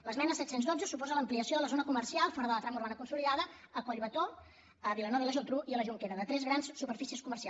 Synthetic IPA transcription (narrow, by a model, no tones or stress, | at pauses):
ləzmɛnəsɛt̪senzðod͡zəsupɔzələmpliəsioðələzonəkumərsialˠfɔɾəðələt̪ɾaməuɾβanəkunsuliðaðəəkwəʎβət̪o | əβilənɔβiləʒot̪ɾuʔiələʒuŋkeɾəðət̪ɾɛzɣɾanssupərfisiəskumərsia